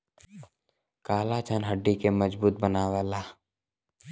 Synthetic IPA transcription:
kaːlat͡ʃʰənɦəɖːikeməd͡ʒbuːt̪̚bənaːwaːlaː

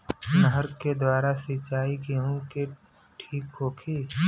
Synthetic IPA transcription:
nəɦəɾked̪waːɾasɪt͡ʃaːikeɦũke | ʈʰiːkɦoːkʰiː

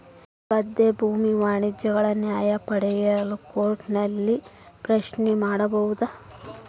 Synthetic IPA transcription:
kɐd̪ːebʱuːmiʋaːɳid͡ʒjɐɡɐɭɐnjaːjɐpɐɽɛjɐlukoːɾʈnɐlːi | pɾɐʃnɛmaːɽɐbɐʋud̪ɐ

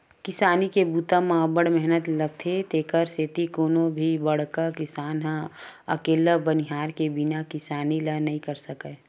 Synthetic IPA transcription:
kɪsaːnikebuːt̪amãːbəɽmɛɦnət̪lɐɡ̚t̪ʰet̪eːkəɾseːt̪ikoːnõbʱibɐɽkakɪsaːnɦãɐkeːlabəniɦaːɾkebɪnakɪsaːnilənɐɦĩkɐɾsəke

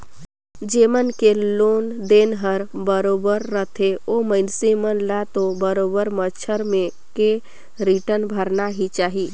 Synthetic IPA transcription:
d͡ʒemənkeloːnd̪eːnɦəɾbəɾoːbəɾːət̪ʰeoməɪnsemənlat̪obəɾoːbəɾmət͡ʃʰəɾmẽ | ke | ɾiʈənbʱəɾnaɦit͡ʃaːɦiː

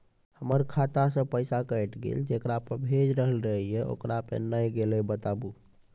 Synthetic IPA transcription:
həməɾkʰat̪asə̃pəjsakəjʈɡḛld͡ʒekɾapəɾbʱed͡ʒɾəɦəlɾəɦijeo̰kɾapḛnəjɡelɛbət̪abu

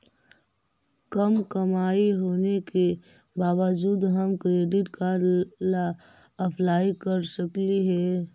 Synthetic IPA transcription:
kəmkəmaːiɦoːneke | baːʋəd͡ʒuːd̪ɦəmkɾeːɖɪʈkala | əpʰlaːikəɾsəkliɦɛː

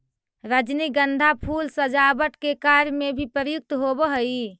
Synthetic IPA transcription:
ɾəd͡ʒniɡənd̪ʱapʰulsəd͡ʒabəʈkekaɾmebʱipɾəɾəjuk̚t̪ɦobəɦəi

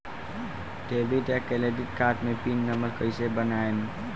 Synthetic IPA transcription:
ɖebiʈjakeledikkaʈmepinːəməɾkəjsebənaem

